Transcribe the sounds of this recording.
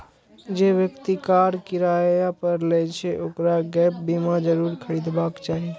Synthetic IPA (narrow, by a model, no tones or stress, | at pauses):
d͡ʒeʋjəkt̪ikaɾkɪɾajapəɾlɛt͡ʃʰɛʔoːkɾaɡɛp̚bimad͡ʒəɾuːɾkʰəɾid̪bakt͡ʃaːɦi